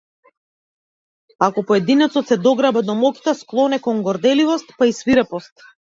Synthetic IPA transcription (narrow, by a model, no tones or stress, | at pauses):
akɔpɔɛd̪inɛt̪sɔt̪sɛd̪ɔɡɾabad̪ɔmɔki̥t̪asklˠɔnɛkɔŋɡɔɾd̪ɛlivɔst̪paisviɾɛpɔst̪̚